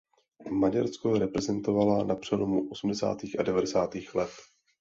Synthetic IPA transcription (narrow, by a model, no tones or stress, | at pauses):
maɟaɾskoɾɛpɾɛzɛnt̪o̞valanapr̥ɛlomuʔo̞sum̩dɛsa̰ːt̪iːxadɛvadɛsaːt̪iːxlɛt̪